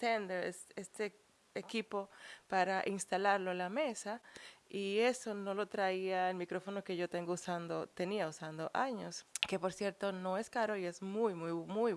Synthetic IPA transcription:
t̪end̪eesest̪e | ekipo̞paɾaʔinst̪alaɾlo̞elame̞saie̞so̞no̞lo̞t̪ɾaiaelmikɾo̞fo̞no̞ke̞ʝo̞t̪eŋɡousand̪ot̪e̞niausand̪oʔaɲoske̞po̞ɾsje̞ɾt̪o̞no̞e̞skaɾo̞ie̞zmujmujmuj

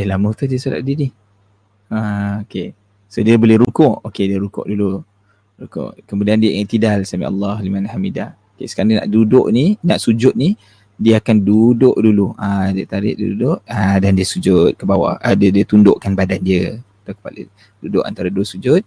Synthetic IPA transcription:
dəlamət̪udiəsula̰ʔ̚didi | aoke | sodiəbolɛhɾukʊʔokediəɾukʊ̰ʔdulu | ɾukʊ̰ʔkəmudiandiət̪idalsamḭʔa̰lːɑhlimanhamidahokḛsəkaɾanna̰ʔdudʊ̰ʔninaʔsud͡ʒʊt̪̚ni | diəakandudʊʔduluadiət̪aɾɪ̰ʔdḭdudʊʔadandiəsud͡ʒʊt̪̚kəbawa̰ədədiət̪undʊʔkanbadandiə | t̪akə̥palḭ | dudʊʔa̰nt̪aɾədosud͡ʒʊt̪̚

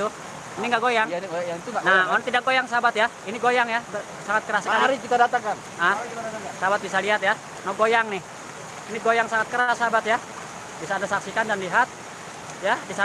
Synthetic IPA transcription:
u | iniŋɡaʔɡojaŋt̪unaɔant̪idak̚ɡojaŋsabat̪ja | iniɡojaŋjab | saŋat̪̚kəɾaskaɾikit̪adat̪aŋkan | ʔasabat̪̚bisaliɦat̪̚ja | nɔɡojaŋnɪh | iniɡojaŋsaŋat̪̚kəɾasabat̪ja | bisaːdasaksikandanliɦat̪̚ | jabisa

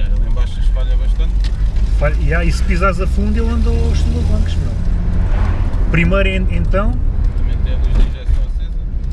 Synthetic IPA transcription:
ɐɐ̃ẽbaʃɐʃfaʎɐβɐʃt̪ɐ̃nt̪faʎiaispizazɐfũnd̪welˠɐ̃nd̪oʃt̪ũlɐɐ̃kʃmelˠ | pɾimɐjɾ̃ẽnt̪ɐ̃w̪̃ɐmẽt̪ɛ̃ɐiʒɛt̪ɐsez

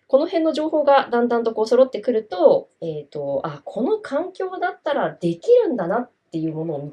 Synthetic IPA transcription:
ko̞no̞hẽ̞nːo̞ʑo̞ːho̞ːɡad̪ãnd̪ãnt̪o̞ko̞ːso̞ɾo̞t̪ːe̞kɯ̟ɾɯ̟t̪o̞eːt̪o̞akʰo̞no̞kʰãŋkʲo̞ːd̪at̪ːaɾad̪e̞kʲiɾɯ̟̃nd̪anat̪ːe̞jɯ̟ːmo̞no̞ːmʲ

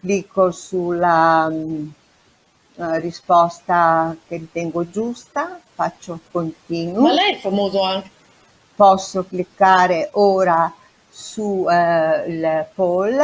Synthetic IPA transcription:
klikːosula | rispɔst̪akeɾit̪ɛŋɡod͡ʒust̪afat͡ʃːokont̪iːnulɛɛfamoːzoaŋk | pɔsːoklikːaːɾeʔoːɾa | su | lpol

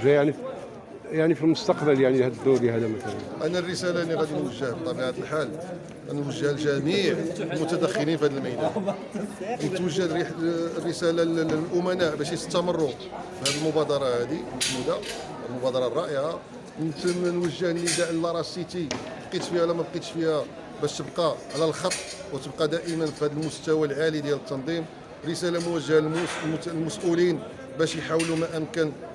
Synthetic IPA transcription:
ʒæaʕni | jaʕnifilmʊst̪ɑqbəljaʕnihæd̪d̪ubihæd̪æmæt̪ælə̰nʔænːærːəsælæniɣæd̪inwəʒːəhbt̪ˤːɑbiʕat̪əlħal | ɣænwəʒːəhlʒæmiʕlmʊt̪æd̪əxːɪlinfihæd̪əlməjnæ | nət̪wəʒːəd̪rːəsælalʔʊmænæʔbæʃit̪ə̥t̪ːæmərˤːo | bhæd̪əlmʊbæd̪ɑɾˤɑhæd̪imət̪mud̪æ | æəlmʊbɑd̪ɑɾˤɑrˤːɑʔəʕa | nt̪nwəʒːəhənːəd̪æʔəlːɑɾˤɑsit̪ibqit̪fihælæmæbqit̪fihæ | bæʃt̪əbqɑʕlælxɑt̪ˤːwət̪əb̚qɑd̪æʔəmənfihæd̪əlmʊst̪æwælʕalid̪jælət̪ːɑnd̪ˤim | rəsælamʊwəʒːæ | lmʊsʔulin | bæʃjħawlumæʔəmkən

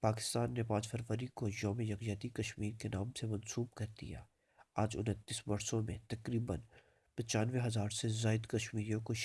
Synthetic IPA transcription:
paːkɪ̥st̪aːnːepãːt͡ʃfʰɐɾʋəɾikojɔːmejɐkjaːt̪ikɐʃmiːɾkenaːmsemɐnsuːbkɐɾd̪ḭja̰ː | aːd͡ʒʊ̰nət̪ːisbɐɾsõmẽt̪ɐkɾiːbən | pɐt͡ʃaːnʋeɦɐzaːɾsezaːɪd̪kɐʃmiːɾijõkoʃ

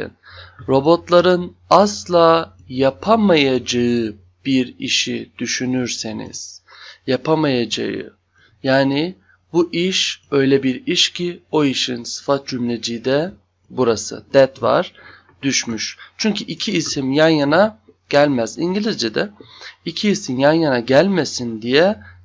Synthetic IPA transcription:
n | ɾo̞bo̞t̪lˠaɾɯn | aslˠaː | japʰamajad͡ʒaɯ | b̥iɾiʃid̪̥yʃynyɾsenḭz̥japʰamajad͡ʒa̰jɯ̰ | jaːnɪ | buʔiʃø̞jlʲɛbiɾiʃcʰio̞iʃinsɯ̥fat̪̚d͡ʒymlʲed͡ʒid̪ɛ | buɾasɯ̰d̪̥ɛt̪va̰ɾ̥ | d̪yʃmyʃt͡ʃʰyɲcʰyʔicʰiːsimjanjana | ɟ̥ælʲmæziɲɟilʲizd͡ʒɛd̪ɛicʰiːsimjanjanaɟælʲmesind̪ijɛ

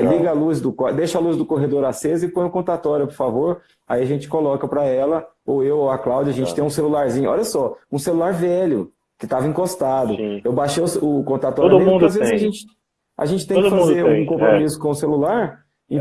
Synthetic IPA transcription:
liɡɐaluzd̪ʊkɔd̪ejʃɐaluzd̪ʊkoɦed̪oɾasezɐɪpõj̃ʊkõt̪at̪ɔɾjʊpoɾfavoɾ | a̰iɐʒẽnt͡ʃɪ̥kolɔkɐpɾɐɛlɐowewaklawd͡ʒɐʒẽnt͡ʃɪ̥t̪ẽj̃ũselulaɾzĩɲʊɔ̰ʎɐsɔũselulaɾvɛʎʊ | kɪt̪avɐĩkost̪ad̪ʊ̃ewbaʃejʊsʊkõt̪at̪ɔɾoɾmũazvezzɪzaʒẽnt͡ʃɪ̥ | a̰ʒẽnt͡ʃɪ̥t̪ẽkɪfãzeɾũkõpɾomisʊ̥kõʊselulaɾ | ĩ

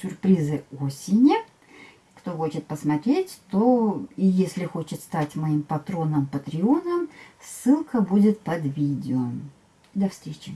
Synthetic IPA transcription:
sʲʊrpɾʲizɨo̞sʲɪnʲɪ | kt̪o̞xo̞t͡ɕɪt̪̚pəsmɐt̪ɾʲetʲt̪o̞ijesʲlʲɪxo̞t͡ɕɪt̪st̪atʲmɐimpɐt̪ɾo̞nəmpət̪ɾʲɪonəmsːɨlˠkəbudʲɪt̪̚pɐd̪vʲidʲɪəm | d̪ɐfst̪ʲɾʲet͡ɕɪ

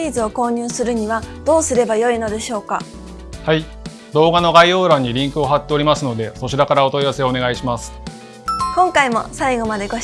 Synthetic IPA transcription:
iːzɨo̞ko̞ːɲ̟ɨːsɨɾɯ̟ɲ̟iβad̪̥o̞ːsɨɾe̞bajo̞ino̞d̪e̞ɕo̞ːka | hai | d̪o̞ːɡano̞ɡaio̞ːɾaɲ̟ːiɾʲĩŋkɯ̟o̞ɦat̪ːe̞o̞ɾʲimasɨno̞d̪e̞so̞t͡ɕiɾakaɾao̞t̪oiβase̞one̞ɡaiɕimasɨ̥ | kõ̞ŋkaimo̞̰saiɡo̞mad̪e̞ɡo̞

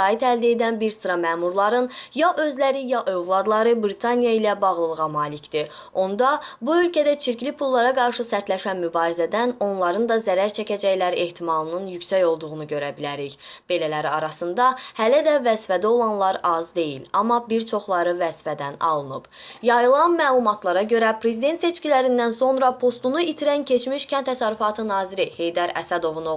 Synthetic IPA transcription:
ɑːit̪ʰæld̪ed̪ænbiɾsɯɾɑmæːmuɾlˠɑɾɯnjɑʔø̞zlæɾijɑʔø̞vlˠɑd̪lˠɑɾɯbɾit̪ʰɑnijɑilæbɑʁlˠɯlˠɯʁɑmɑːlicd̪i | o̞nd̪ɑbuø̞lcʰæd̪æt͡ʃʰiɾclipʰulˠːɑɾɑɡɑɾʃɯsæɾt̪læʃænmybɑːɾizæd̪æno̞nlˠɑɾɯnd̪ɑzæɾæɾt͡ʃʰæcæd͡ʒæjlæɾie̞ht̪ʰimɑlˠɯnɯnjycsæjo̞lˠd̪uʁunuɟø̞ɾæbilæɾiç | b̥e̞lælæɾiɑɾɑsɯnd̪ɑhælæd̪ævæzfæd̪æo̞lˠɑnlˠɑɾɑzd̪e̞jḭlɑmːɑbiɾt͡ʃʰo̞χlˠɑɾɯvæz̥fæd̪ænɑ̰lˠɯnɯb̥ | jɑjɯlˠɑnmæːlˠumɑt̪ʰlˠɑɾɑɟø̞ɾæpʰɾe̞zid̪e̞nt̪se̞t͡ʃcʲilæɾind̪ænso̞nɾɑpʰo̞st̪unuit̪ʰiɾæncʰe̞t͡ʃmiʃcʰænt̪ʰːæsɑɾyfɑt̪ʰɯnɑːziɾihe̞jd̪ɑɾæ̰sæd̪o̞vuno

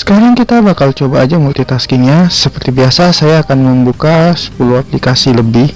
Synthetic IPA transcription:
sə̥kaɾaŋkit̪abakalt͡ʃobaːd͡ʒamult̪it̪askiŋɲasəpərt̪ibiasasajaːkanməmbukasə̥puluaplikasiləbɪh

